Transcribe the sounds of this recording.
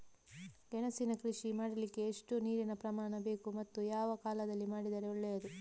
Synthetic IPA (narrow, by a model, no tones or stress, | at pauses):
d͡ʒɛnɐsinɐkɾiʂimaːɽɐlikːe̞ːʂʈuniːɾinɐpɾɐmaːɳɐbe̞ːkumɐt̪ːujaːʋɐkaːlɐd̪ɐlːimaːɽid̪ɐɾeuɭːejɐd̪u